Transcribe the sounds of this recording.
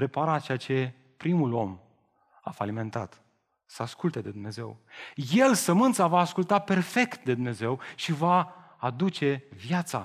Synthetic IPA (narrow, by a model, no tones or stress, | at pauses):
ɾe̞paɾat͡ʃejat͡ʃe̞ | pɾimulo̞m | afalime̞nt̪a̰t̪ | səaskult̪ed̪e̞d̪umne̞ze̞̰wje̞lsəmɨnt̪savaːskult̪ape̞rfe̞kt̪̚d̪e̞d̪umne̞ze̞wʃivaː | d̪ut͡ʃe̞vjat̪sa̰